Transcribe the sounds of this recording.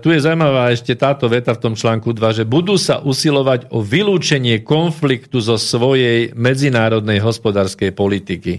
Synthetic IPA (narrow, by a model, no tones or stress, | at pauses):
t̪ujɛzawumaʋaːɛʃcɛt̪aːt̪ɔʋɛt̪aft̪ɔmt͡ʃlaːŋkud̪ʋaʒɛbud̪uːsa̰ʔusilɔʋaɟɔʋiluːt͡ʃɛɲɪɛkɔnflikt̪uzɔsʋɔjɛjmɛd͡zinaːɾɔd̪nɛjɦɔspɔd̪aːɾskɛjpɔlit̪iki